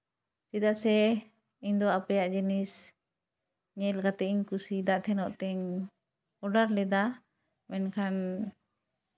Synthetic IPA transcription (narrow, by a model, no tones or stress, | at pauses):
sid̪asɛ | iɲd̪ɔapɛjaʔd͡ʒɛnis | ɲɛlkat̪ɛiɲkusid̪aʔt̪ʰɛnɔʔt̪ɛɲ | ɔɖaɾlɛd̪a | mɛnkʰan